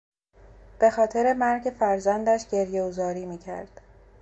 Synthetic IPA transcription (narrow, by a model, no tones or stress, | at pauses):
b̥e̞xɒːt̪ʰeɾe̞mæɾɟe̞fæɾzænd̪æʃɟe̞ɾjeɡozɒːɾiːmiːcʰæ̰ɾd̪̥